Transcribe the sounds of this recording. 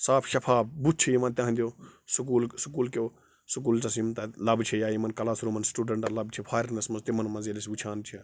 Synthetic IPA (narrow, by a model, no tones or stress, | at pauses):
saːpʰʃɐpʰaːbbut̪̚t͡ʃʰijimãnt̪ʲãɦnd̪ʲjoːsukuːlsukuːlkoː | sukuːlʈɐsimt̪ɐlɐbt͡ʃʰejaːjimɐnkɐlaːsɾuːmɐnsʈuːɖeɳʈɐlɐbt͡ʃʰipʰaːjɾɾnɐsmɐzt̪imɐnmɐzelisʋut͡ʃʰaːnt͡ʃʰe